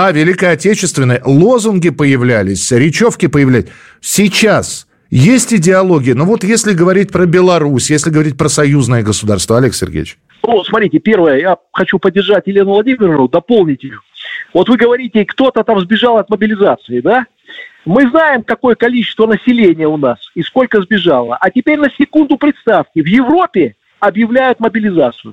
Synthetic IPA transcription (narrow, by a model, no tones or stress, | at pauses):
avʲɪlʲɪkəɐtʲet͡ɕɪst̪vʲɪnːəjəlˠo̞zʊnɡʲɪpəjɪvlʲælʲɪsʲɾʲɪt͡ɕo̞fkʲɪpəjɪvlʲæ | sʲɪt͡ɕas | jesʲtʲɪdʲɪɐlˠo̞ɡʲɪjənovo̞t̪jesʲlʲɪɡəvɐɾʲit̚ʲpɾəbʲɪlˠɐɾusʲjesʲlʲɪɡəvɐɾʲit̚ʲpɾəsɐjuznəjəɡəsʊd̪a̰rst̪vəɐlʲe̞ksʲɪ̰rɡʲḛjɪt͡ɕ | nusmɐt̪ɾʲitʲɪpʲe̞rvəjəjaxɐt͡ɕupədʲːɪrʐatʲjɪlʲe̞nʊvlˠɐdʲimʲɪrəvnʊd̪ɐpo̞lˠnʲɪtʲɪjʊvo̞t̪vɨɡəvɐɾʲitʲɪkt̪o̞t̪ət̪amzbʲɪʐalˠɐt̪məbʲɪlʲɪzat̪sɨɪd̪a | mɨznajɪmkɐko̞jəkɐlʲit͡ɕɪst̪vənəsʲɪlʲenʲɪjəʊnasisko̞lʲkəzbʲɪʐalˠə̰ʔɐtʲɪpʲeɾʲnəsʲɪkund̪ʊpɾʲɪt̪st̪afkʲɪvjɪvɾo̞pʲɪ | ɐbjɪvlʲæjʊt̪məbʲɪlʲɪzat̪sɨjʊ̰